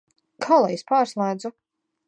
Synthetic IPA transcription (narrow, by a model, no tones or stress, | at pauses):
kʰalˠajespaːɾslˠaːd̪zu